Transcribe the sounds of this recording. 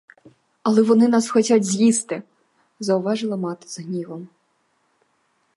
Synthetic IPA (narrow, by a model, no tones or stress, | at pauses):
ɐlˠɛʋɔnɪnɑsxɔtʲadʲzʲjist̪ɪ | zɐwʊʋɑʐɨlˠɐmɑt̪ɪ̥zɦnʲiʋɔm